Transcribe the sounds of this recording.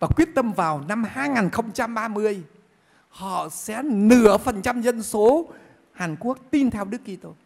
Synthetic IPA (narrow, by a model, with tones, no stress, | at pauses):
vaː˨˩kwi˦˥ət̚t̪ə˧mvaː˨˩wna˧mhaː˧jŋaː˨˩nxə˧wŋ͡mt͡ɕa˧mɓaː˧mɨ˧əj | hɔ̰˧˨sɛ̰˧˥nɨ˧˩əfə˨˩nt͡ɕa˧mzə˧nso˨˦ | haː˨˩nku˦˥ək̚t̪i˧nt̪ʰɛ˧wɗɨ˦˥əkːi˧t̪o˧j